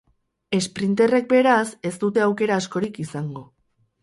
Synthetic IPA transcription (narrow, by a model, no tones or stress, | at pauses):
e̞spɾint̪e̞re̞k̚be̞ɾase̞st̪ut̪e̞awke̞ɾaːsko̞ɾikisaŋɡo̞